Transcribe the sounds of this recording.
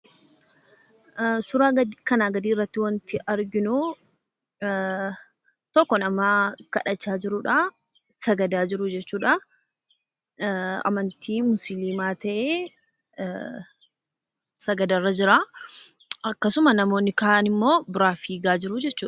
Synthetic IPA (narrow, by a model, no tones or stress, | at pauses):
sʊɾaːɡɐd̪kɐnaːɡɐd̪iːɪrːɐt̪ːɪwɐnt̪ɪʔɐɾɡɪnʊ | t̪ɔkːɔnɐmaːkɐᶑɐt͡ʃːaːd͡ʒɪɾʊᶑa | sɐɡɐd̪aːd͡ʒɪɾʊd͡ʒɛt͡ʃːuːᶑɐ | ɐ̰mɐnt̪ʰiːmʊsɪliːmaːt̪ɐʔeː | sɐɡɐd̪ɐrːɐd͡ʒɪɾa | ɐkːɐsʊmɐnɐmo̞ːnːɪkɐʔaːnɪmːo̞ːbɪɾaːfiːɡaːd͡ʒɪɾʊd͡ʒɛt͡ʃːuːᶑɐ